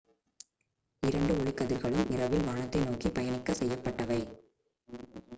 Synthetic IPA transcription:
ɪɾɐɳɖɯɔɭɪkːɐðɪɾɣɐɭɯmɪɾɐʋɪlʋaːɳɐt̪ːɐɪnoːkipɐjɐnɪkːɐsɛjːɐpːɐʈːɐʋɐɪ

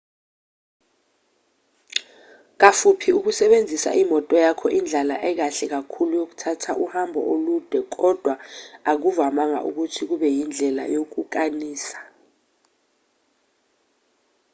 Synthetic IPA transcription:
k̬afupʰiuk̬usɛɓend͡zʱisa̰ʔimɔtʼɔjakʰɔʔind͡ɮʱalaʔɛk̬aɬɛk̬akʰulujok̬u̥tʰatʰaʔuhambʱɔ̰ʔolud̥ʱɛk̬ɔd̥ʱwaak̬uvamaŋa̰ʔuk̬utʰik̬uɓɛjind͡ɮʱɛla̰jok̬uk̬aniːsḁ

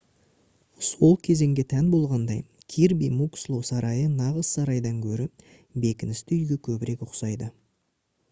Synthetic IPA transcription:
so̞lˠkʲʰe̞ze̞ŋɡʲe̞t̪ʰænbo̞lˠʁɑnd̪ɑj | kʲʰiɾbijmukslˠosɑɾɑjənɑʁəzsɑɾɑjd̪ɑŋkʲʰɵɾɪ | be̞kʲɪnɪst̪ɪʏjɡʲe̞kʲʰɵbɪɾe̞kʊqsɑjd̪ə

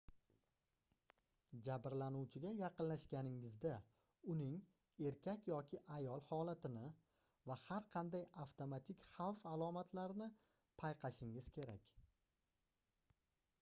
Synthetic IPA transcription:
d͡ʒabɾlanuwt͡ʃʰɪɡʲajɑqɨnlaʃɡʲanɪŋɪzd̪a | ʊnɪŋ | e̞ɾkʲʰakʲjɒkʲɪʔajɒlˠhɒlˠat̪ɪnɪ | vahaɾqʰɑnd̪ajaft̪ʰomat̪ʰɪkʲχɑwfalˠɒmat̪ʰlaɾnɪ | pʰajqʰɑʃɪŋɪz̥kʲʰe̞ɾakʲ

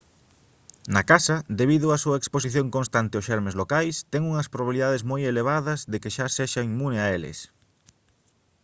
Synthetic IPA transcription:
nɐkasɐd̪eβiðʊasuɐeksposiθjõŋkõnst̪ant̪ɪosʃɛɾmezlokajst̪ɛŋuŋɐspɾoβaβiliðað̞ezmojeleβ̞aðɐzðekɪʃaseʃɐimunɪaelɪ̰s

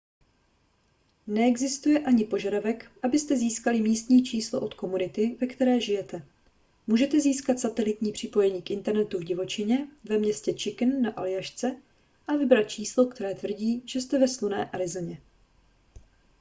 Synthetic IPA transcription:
nɛɛɡzɪst̪ujɛʔaɲɪpo̞ʒadavɛkʔabɪst̪ɛziːskalɪmiːst̪ɲiːt͡ʃiːslo̰ʔo̞t̪ko̞munɪt̪ɪvɛkt̪ɛɾɛːʒɪjɛt̪ɛ | muːʒɛt̪ɛziːskat̪sat̪ɛlɪt̪ɲiːpr̝̥ɪpo̞jɛɲiːkʔɪnt̪ɛɾnɛt̪uvɟɪvo̞t͡ʃɪɲɛvɛmɲɛscɛt͡ʃɪknːaʔalɪjaʃt͡sɛ | ʔavɪbɾat̪̚t͡ʃiːslo̞kt̪ɛɾɛːt̪vr̩ɟiːʒ̥ɛst̪ɛvɛslunɛ̰ːʔaɾɪzl̩ɲɛ

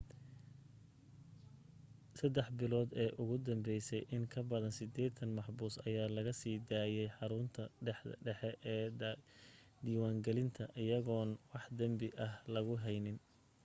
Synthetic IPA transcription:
sɐd̪ɛħbɪlɔːd̪ɛːʔʊɣʊd̪ɐmbɛjsɛjʔɪŋkʰɐbɐðɐnsɪd̪ɛːt̪ʰɐnmɑħbuːsɐ̰jaːlɐɣɐsiːd̪aːjɛjħɑɾʊnt̪ʰɐɖɛħɖɛħɛʔː | d̪iːwaːŋɡɛlɪnt̪ʰɐʔɪjɐɣɔːnwɑħd̪ɐmbɪʔɐɦlɐɣʊɦɛjnɪn

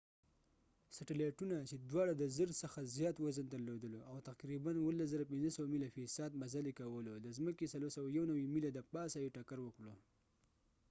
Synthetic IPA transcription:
saʈaleʈunat͡ʃed̪wɑɽad̪əzəɾsəxazjɑt̪wazənt̪alod̪əloʔawt̪aqɾibanwəlːaszaɾapɪnzəsawamilafisɑd̪̚mazalekawəlod̪əzməkesaloɾsawajawnawimilad̪əpɑsajiʈakaɾwəkɽo

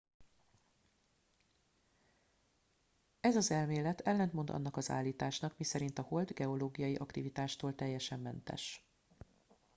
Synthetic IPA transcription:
ɛzɒzɛlmeːlɛt̪ʰɛlːɛnt̪mo̞nd̪ɒ̰n̪ːɒkɒza̰ːlːiːt̪aːʃnɒkmisɛɾin̪t̪ɒho̞ld̪ɡɛo̞loːɡijɒjiʔɒkt̪ivit̪aːʃt̪oːlt̪ɛjːɛʃɛmːɛnt̪ɛ̰ʃ

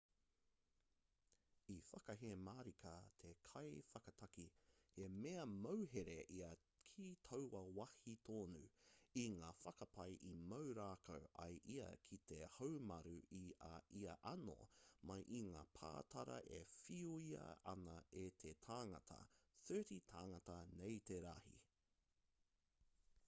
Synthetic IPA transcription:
ifɐkɐɦemaːɾikʰɐt̪ʰekʰɐjfɐkɐt̪ʰɐkihemeɐmɐwɦeɾeʔiɐ | kʰiːtʰɐwwɐwɐhit̪ʰoːnʉiŋaːfɐkɐpʰɐjʔimɐwɾaːkʰowʔɐ̰jʔiɐ̰kʰit̪ʰehowmɐɾʉiɐʔiɐʔɐno̰mɐjʔiŋaːpʰa̰ːt̪ʰɐɾɐ̰ʔefiuiɐ̰ʔɐnɐet̪ʰetʰaːŋɐtʰɐ̰θɜːɾitʰaːŋɐtɐnejt̪eɾɐhḭ

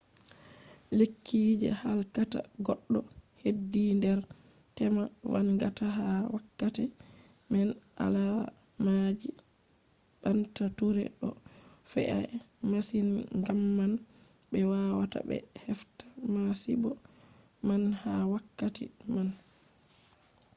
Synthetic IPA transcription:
lekʰːiːd͡ʒɛ̰halkata̰ɡɔɗːɔ | hedːindɛɾ | tɛmawa̰nɡataɦawakːatɛ | mɛn | ʔa̰la | mad͡ʒi | ɓantatuɾɛ̰ɗɔ | fɛ̰ʔa̰ | masinŋɡamːan | bɛwawata̰bɛ̰hɛftḁmasḭbɔ | manhawakːatḭman

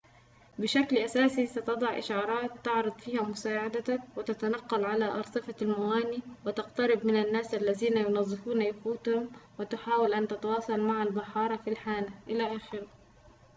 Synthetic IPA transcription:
bɪʃaklʔasaːsisat̪ɑd̪ˤɑʕʔɪ̰ʃɑːɾˤɑːt̪ːɑʕɾˤɑd̪ˤfiːhamʊsaːʕad̪awɪt̪at̪anɑqːɑlʕalaʔɑɾˤt̪ˤɨfalmawaːniwɪt̪ɑqt̪ɑɾɪbmɪnanːaːsʔalːaðiːnajʊnɑzˤːɨfuːnajafuːt̪hʊmwɪt̪ʊħaːwalʔant̪at̪awɑːsˤɑlmaʕalbɑħɑːɾˤɑfilħaːnaʔɪlaʔaːxɪɾa

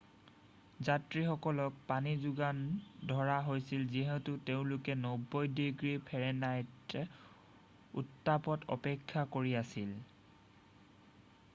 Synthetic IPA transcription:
zatɹixɔkɔlɔk̚panizuɡandʱɔɹaɦojsilziɦɛtʊteʊ̃lʊkɛnɔbːɔjdiɡɹipʰɛɹɛnajt | ṵtːapɔtɔ̰pɛkʰːakoɹiasil

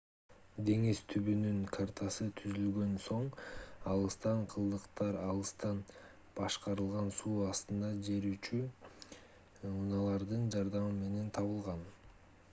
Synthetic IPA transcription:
d̪e̞ŋist̪ʰyβynyŋkʰart̪ʰɑsɯt̪ʰyzylɡø̞nso̞ɴɑlˠɯst̪ɑɴqʰɯlˠd̪ɯqt̪ɑɾɑlˠɯst̪ɑn | b̥ɑʃqɑɾɯlˠʁɑnsuːɑst̪ɯnd̪ɑd͡ʒe̞ɾyt͡ʃy | unɑlˠɑɾd̪ɯnd͡ʒɑɾd̪ɑmɯme̞ne̞nt̪ʰɑβɯlˠʁɑn

